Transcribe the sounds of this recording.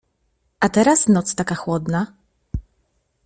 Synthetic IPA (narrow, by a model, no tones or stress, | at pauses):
at̪ɛɾasnɔt̪st̪akaxwɔd̪na